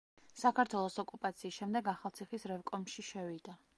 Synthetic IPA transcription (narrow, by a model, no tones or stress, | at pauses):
sakʰaɾt̪ʰwɛlˠɔsɔkʼupʼat̪sʰiːsʃɛmd̪ɛɡaχalˠt̪sʰiχisɾɛvkʼɔmʃiʃɛvid̪a